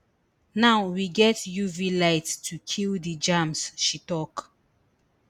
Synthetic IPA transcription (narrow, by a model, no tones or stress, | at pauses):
naʊwiɡɛtjuvilaɪttʰukʰildəd͡ʒãmsʃitɔk